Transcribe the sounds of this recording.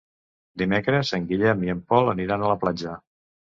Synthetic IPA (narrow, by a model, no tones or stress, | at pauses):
d̪imekɾəzəŋɡiʎɛmjəmpɔlˠəniɾanələplad͡ʒə